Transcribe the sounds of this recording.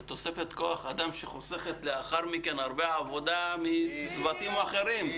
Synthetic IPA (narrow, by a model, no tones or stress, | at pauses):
t̪o̞se̞fe̞t̪ko̞aχad̪amʃeχose̞χet̪leaχaʁmikenaʁbeavo̞d̪amizvat̪imaχe̞ɾim